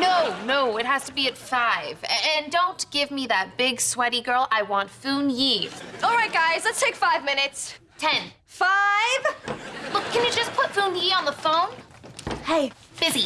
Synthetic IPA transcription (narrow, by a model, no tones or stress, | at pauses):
noʊnoʊɪt̚ɦæz̥tʰəbiɨtfaɪv̥ɨ̃ndõʊ̃nɡ̥ɪvmiðɨt̚b̥ɪɡswɛɾiɡɜ˞lˠaɪwɑ̃ntfũnjiʔɔlˠɹaɪt̚ɡ̥aɪzlətstʰeɪkfaɪvmɪ̃nɨts | tʰɛ̃n | faɪv̥lʊkʰːɨ̃njɨd͡ʒʌspʰʊtfũnjiə̃nðəfõʊ̃nheɪb̥ɪzi